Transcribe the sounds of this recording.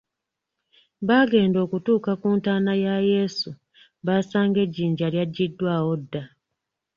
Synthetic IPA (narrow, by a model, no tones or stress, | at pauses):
βaːɡe̞ːndo̞ːkutuːkakuːntaːnajaje̞ːsu | βaːsaːŋɡe̞ɟːiːɲɟaljaɟːidːwaːwo̞dːa